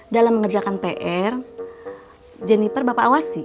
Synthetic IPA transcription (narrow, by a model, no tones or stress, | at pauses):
dalamːəŋərd͡ʒakanpeʔɛr | d͡ʒɛnipərbapaʔːwasi